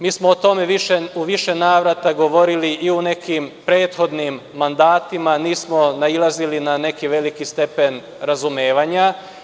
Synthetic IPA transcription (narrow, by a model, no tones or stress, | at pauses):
miːsmoot̪o̞me̞ʋiʃeuʋiʃe̞naːʋɾat̪aɡo̞ʋo̞ɾiliʔiune̞kimpɾe̞ːt̪xo̞d̪nimːand̪aːt̪imaniːsmo̞nailˠazilinane̞kiʋe̞likist̪e̞pe̞n | ɾazumeːʋaɲa